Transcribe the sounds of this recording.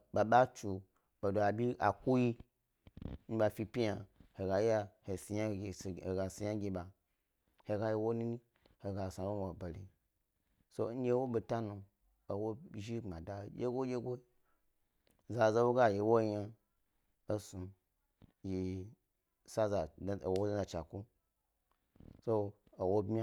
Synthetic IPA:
ɓa˨ɓa˦t͡ʃu˨ | ba˨do˨a˨bʲi˦ʔa̰˨ku˦ji˦ | n̩˦ba˧˨fi˧pʲi˦ja˨he˨ɡa˨ja˦he˨si˨ja˦˨e˨ɡa˨si˨ja˦ɡʲi˧ɓa˨ | he˨ɡa˧ji˦wo˦nũ˦ni˦ | he˨ɡa˨sa˨wo˦o˨ba˨lḛ˨ | so̰˦n̩˦je˦wo˦be˨ta˦nu˧ | o˨wo˦˨ʒi˦ŋ͡ma˨da˦˨jḛ˦ɡo˦jʲe˦ɡo˦ | za˨za˦wo˦ɡa˦˨ji˨wo˦ja˧ | o˦su˨ | ji˨ | sa˦za̰˨˦˨wo˦a˦za˨t͡ʃa˨ku˦ | so˦ | o˨wo˦bmʲ˦a˦

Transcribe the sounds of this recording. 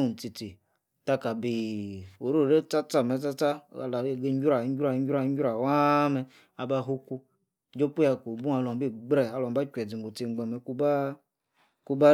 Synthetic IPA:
n̩˨t͡si˨t͡si˨ | ta˦ka˨bi˨o˨ɾo˦˨de˦t͡sa˦t͡sa˦mɛ˨t͡sa˦t͡sa˦a̰˨la˨˦ɡe˦ɲ˦d͡ʒʲu˦ɾa˨˦ɲ˦ɡʲu˦ɾa˧˨˦ɲ˦ɡa˧˦u˦ɾa˨wa˦mɛ˦ | a˨ba˦ɦu˦ku˦ | d͡ʒo˦pu˦ja˧ko˨bu˦a˧lɔ˨bi˦ɡ͡bɾɛ˨a˨˦lɔ˨m˦ba˦kʲʷɛ˨d͡zi˨ŋ˨ɡo˨t͡si˧˨ŋ͡m̩˦ɡ͡bɛ˨mɛ˨ku˦ba˦ | ku˦ba˦

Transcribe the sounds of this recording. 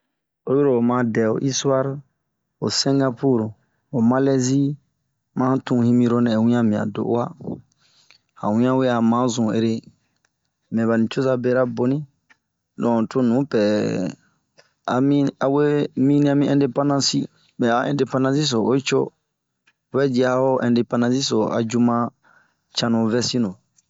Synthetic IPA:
o˦je˦ɾo˨o˨mã˨˦dɛ˨o̰˨ʔi˦su˦a˦ɾ | o̰˨sɛ̃˦ŋɡa˦pu˦˨ɾ | o˨mã˦lɛ˦zi˦ | mã˦tũ˦hĩ˦mĩ˧ɾo˦nɛ̃˨wĩ˦ã˦mĩ˨ã̰˨do̰˨ʔwa˦ | hã̰˨wĩ˦ã˦we˦a˨mã˨˦zũ˨ḛ˨ɾe˦ | m˨ɛ̃˨ba˨nĩ˨t͡ʃo˦za˦˧be˦ɾa˦bo˨nĩ˦ | lɔ̃˨to˦nũ˨˦pɛ˨ | a̰˨mĩ˦a˨we˦mĩ˦nĩ˦a˦mĩ˦ɛ̃˦nde˨pã˦nã˦si˦ | bɛ˨a˨˦ɛ̰̃˨nde˨pã˦nã˦si˦s̬o˨o˦t͡ʃo̰˦˨ | bɛ˦di˨˦a˨˦o˦ʔɛ̃˨nde˨pã˦nã˧si˦so˨a̰˨d͡ʒu˧mã˦ | t͡ʃã˧nũ˨vɛ˦sĩ˦nõ˨

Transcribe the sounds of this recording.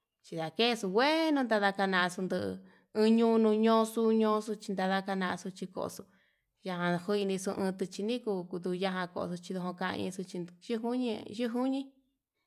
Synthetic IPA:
t͡ʃi˧ða˨ke˦˧su˧wʷe˦nũ˧nd̪a˧ða˧ka˧nã˧a˧su˧nd̪ɨ˧ʔ | ɨ̃ː˧ɲũː˦˧nũ˧ɲõ˧˦˧su˧˦ɲõː˧˦˧su˧t͡ʃi˧nd̪a˧ða˧ka˧nã˧ʔa˧su˧t͡ʃi˧ko̰˧˨o̰˧su˧ | ja˧ɦã˧hu˦i˧nĩ˧su˧ʔɨ̃ː˧t̪ɨ˧t͡ʃi˧nĩ˦ku˧ku˧d̪u˧ja˧ɦã˧ko̰˧ʔo̰˧su˧t͡ʃi˧ðo˧ɦõ˧kã˧ʔã̰˧ḭ̃˧su˧t͡ʃi˧ʒɨ˦ɦu˦ɲĩ˧ʒu˦ɦu˦ɲĩ˦

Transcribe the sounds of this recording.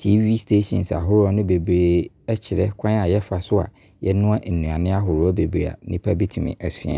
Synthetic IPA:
tʰi˦vi˦stʰe˦ɕɔ̰̃˨nsa̰˨ɦʊ˦ɾɔ˦nʊ̃˦be˨bɾe˨ | ɛ˦t͡ɕʰɪ˨ɾɛ˦kʰã˦n˦a˨jɛ˦fa˨sʊ˦a̰˨ | jɛ˦nʊ̃˦a˦ʔn̩˨nːũ˨ã˨nɪ̃˦a˦ɦʊ˨ɾʊ˦ɔ˦be˨bɾa̰˨nɪ̃˦pʰa˦bi˦tʰi˨mḭ̃˨ʔæ˨su˨ã̰˨

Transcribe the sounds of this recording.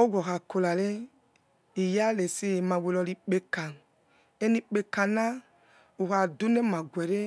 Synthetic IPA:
o˦ɡʷɔ˨xa˨ko˨la˨le˦ | i˨ja˦le˨si˦˨ma˨we˨˧lɔ˧li˨k͡pe˨ka˨n | e˦ni˧k͡pe˨ka˨na˦ | u˨xa˨du˦ne˦ma˨ɡʷɛ˨ɾe˦

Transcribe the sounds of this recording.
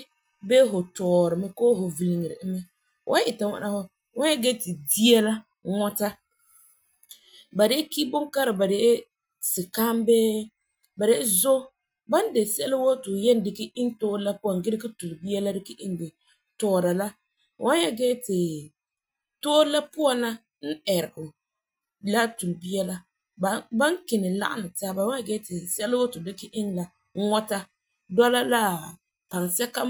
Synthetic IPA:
bɛ˦ɦʊ˨tɔː˨ɾɪ˨mɪ˦koː˦ɦʊ˨vi˨lɪ˨ŋɪ˨ɾɪ̰˨ʔɪ˦mɪ˦ | wʔa˦ʔɪ˨ta˨ŋa̰˨na˨hʊ˦ | wa˦n˦jɛ˦ɡɛ˦tɪ˨di˦ɛ˦la˦ | ŋɔ˦ta˦ | ba˨dɛ˦ki˦bʊ˦ŋka˦ɾɪ˨ba˨dɛ˨ʔɪ˦ | sɪ˨ka˦mbɛː˦ | ba˨dɛ˦ʔɪ˦zo˦ | ba˦n˦de˨sla˦wo˦tʊ˨jɛ˦n˦dɪ˨kɪ˦i˦ntoː˦la˦pʊ˦a˨ŋɡɪ˦ɾɪ˦kɪ˦tu˨lɪ˨bi˦a˦la˦dɪ˦kɪ˦ʔi˦ndɪ˨ | tɔː˦˨ɾa˨la˦˨ | wa˦nja˦ɡɛ˦tɪ˨ | toː˦la˦pʊ˦a˨nla˦ | n̩˦ɛ˨ɾɪ˨ɡʊ˨ | la˦tu˨lbi˦ɛ˦la˦ | bba˦ŋ˦kɪ˨nɪ˨la̰˦ʔa̰˦nɨ˨taː˦ba˨wa˦a˨ɡɛ˦tɪ˨sɛ˦lwo˦tʊ˨dɪ˦kɪ˦ʔɪ˦ŋla˨˦ | ŋɔ˦ta˦ | dɔ˦la˦la˦ | pa˨ŋsɛ˦ka˦

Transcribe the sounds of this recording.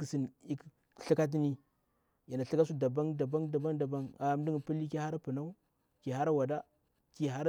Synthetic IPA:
ksi˨ni˦k | ɬi˦ka˦t̬i˦ni˦ | ja˨na˨ɬi˦ka˦s̬u˦da˨ba˦ŋda˨ba˦ŋda˨ba˦ŋda˨ba˦ŋa˨m˦di˦ŋ˨pi˦li˦ki˦ha˦ɾa˦pə˨na˦u˦ | ki˨ɦa˦ɾa˦wa˨da˦ | ki˨ɦa˦ɾ

